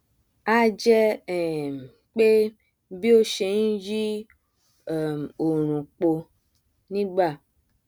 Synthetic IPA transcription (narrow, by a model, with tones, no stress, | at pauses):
a˦d͡ʒɛ˦˨m˨ | k͡pe˦ | bi˦o˦ʃe˨ŋũ˦d͡ʒi˦ | ɛ˨mo˨ɾ̃ũ˨k͡po˧ | nĩ˦ɡ͡ba˦˨